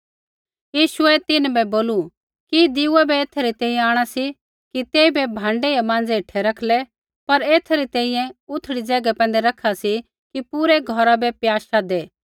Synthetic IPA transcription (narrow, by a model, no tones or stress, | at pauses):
jiːʃʊɛt̪ɪnbɛboːlu | kid̪ɪuabɛeːt̪ʰɾit̪ɛ̃ːĩjɛ̃aːɽ̃asi | kit̪eːibɛbʱãːɳɖejamãːnd͡zeɪʈʰɛɾɐkʰlɛ | pɐɾeːt̪ʰɾit̪ɛ̃ːĩjɛ̃ʊt̪ʰːɽid͡zɛːɡapɛ̃ːnd̪ɛɾɐkʰasi | kipuɾeɡʱɔɾabɛpjaːʃaːd̪eː